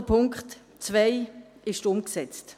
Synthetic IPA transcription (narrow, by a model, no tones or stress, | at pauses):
əpʰʊŋkχt | t͡svaɪɪʃtʊmksɛt͡st